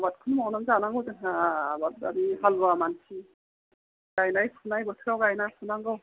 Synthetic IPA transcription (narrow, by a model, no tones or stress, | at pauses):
bat̚kʰunmawnaŋzanaŋɡɯwzenɦaːbatadihalbamansi | ɡajnajpʰunajbɔsʰɯɾawɡajnajpʰunaŋɡɯw